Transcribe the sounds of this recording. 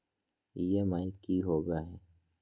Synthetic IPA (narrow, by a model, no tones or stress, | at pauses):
jemaːikiɦoːɡaɦɛː